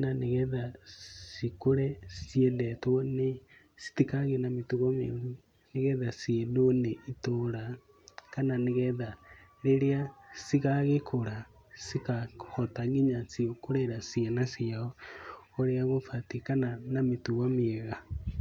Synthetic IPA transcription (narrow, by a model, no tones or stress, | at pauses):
naneɣɛðasikoɾɛsiɛnɛtwɔne | si̥tikaɣenametuɣamḛɾu | neɣɛðasienoneitoɾa | kananeɣɛða | ɾeɾeasiɣaɣekʰoɾa | sikahɔtaŋiɲasiokoɾeɾasienasiaɔ | oɾeaɣofatikananametuɣameɛɣa